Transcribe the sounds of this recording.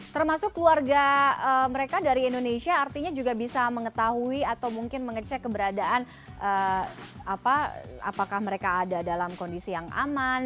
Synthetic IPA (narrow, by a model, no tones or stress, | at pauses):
t̪ərmasʊkːəluarɡaəməɾekadaɾiːndoneʃiaːrt̪iɲad͡ʒuɡabisaməŋət̪aɦuiat̪awmuŋkɪnməŋət͡ʃɛkːəbəɾadaʔan | ʔə | apaa̰pakahməɾekaːdadalamkɔndisijaŋʔa̰man